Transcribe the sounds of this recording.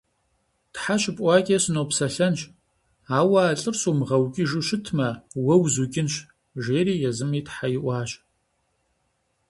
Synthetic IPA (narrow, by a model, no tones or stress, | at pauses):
tħaɕɪpʼʷɑːkʲʼeɕɨnowpsɐɬɐnʃ | aːwɐːɬʼɨrsuːmʁɐwɡʲʼiʒuʃɪtʰmɐwɐwzuɡʲʼɪnɕ | ʒeːɾiːjɛzɨmiːtħajɪʔʷɑːɕ